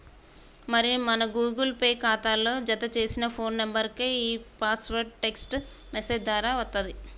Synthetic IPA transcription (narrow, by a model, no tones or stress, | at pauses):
mɐɾimɐnɐɡuːɡɐlpe̞ːkaːt̪aːlːo̞ːd͡ʒɐt̪ɐt͡ʃe̞ːsinɐpʰo̞ːnːɐmbɐɾkeiːpaːsʋɐɾɖ̚ʈe̞ksʈmese̞ːd͡ʒd̪ʋaːɾaːʋɐst̪ɐnd̪i